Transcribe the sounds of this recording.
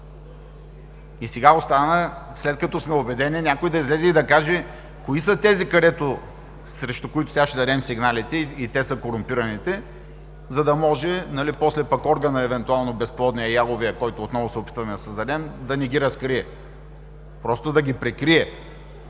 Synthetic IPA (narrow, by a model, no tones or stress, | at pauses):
isɛɡaost̪anəslɛt̪̚kɐt̪ɔsmɛobɛd̪ɛninʲakoid̪ɐizlɛzɛid̪ɐkaʒɛ | koisət̪ɛzikɐɾɛt̪ʊ | sɾɛʃt̪okʊit̪ʊ̥sɛɡaʃɛd̪ɐɾɛmsiɡnalit̪ɛit̪ɛsəkoɾʊmpiɾɐnit̪ɛ | zɐd̪ɐmɔʒɛnɐlipɔslɛpɐkɔɾɡənəɛvɛnt̪ʊalˠnobɛsplˠɔd̪nijɐjalˠʊviɐkɔjt̪ʊːt̪nɔvʊsɛopit̪vɐmɛd̪ɐsɐzd̪ɐɾɛmd̪ɐnɛɡiɾɐskɾiɛ | pɾɔst̪ʊd̪ɐɡʲipɾɛkɾiɛ